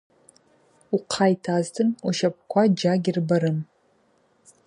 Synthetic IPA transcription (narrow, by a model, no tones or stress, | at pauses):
uqʰajtʰaztʰɨnuʃap̚ʰkʷʰad͡ʒaɡʲirbaɾɨn